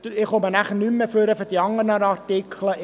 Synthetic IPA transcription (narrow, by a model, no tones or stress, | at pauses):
ɪχomənæχənymːəføɾəfəd̥iɑŋənəɾɑrtikʰlə